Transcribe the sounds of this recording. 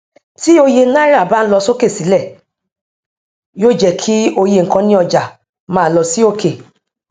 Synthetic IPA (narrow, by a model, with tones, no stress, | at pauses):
ti˦o˧je˧˦na˦ɾa˦˨ba˦n̩˦lɔ˧so˦ke˦˨si˨˦lɛ˦˨ | jo˦˨d͡ʒɛ˦˨kʰi˦o˧je˧ŋ̩˨kã˧nĩ˦ɔ˧d͡ʒa˨ | mãː˨˦˨lɔ˧si˦o˦˨ke˨